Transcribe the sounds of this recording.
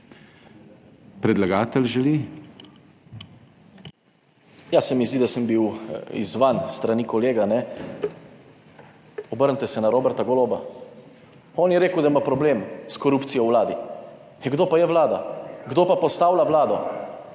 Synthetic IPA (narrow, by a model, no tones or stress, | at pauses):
pɾɛd̪laɡaːt̪ɛlʒɛli | jasɛmizd̪id̪asəmbiwḭzʋanst̪ɾanikɔleːɡanɛ | ɔbəɾnt̪ɛsɛnaɾoːbɛɾt̪aɡɔloːba | ɔnjɛɾeːkəwd̪aimapɾɔbleːmskɔɾupt̪sijɔwwlaːd̪i | ɡd̪oːpajɛwlaːd̪a̰ɡd̪oːpapɔst̪aːwlaʋlaːd̪ɔ